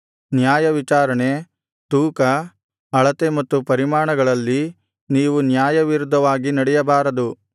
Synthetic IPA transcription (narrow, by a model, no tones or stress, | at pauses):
njaːjɐʋit͡ʃaːɾɐɳe | t̪uːkɐ | ɐɭɐt̪e̞mɐt̪ːupɐɾimaːɳɐɡɐɭɐlːi | niːʋunjaːjɐʋiɾud̪ʱːɐʋaːɡinɐɽɛjɐbaːɾɐd̪u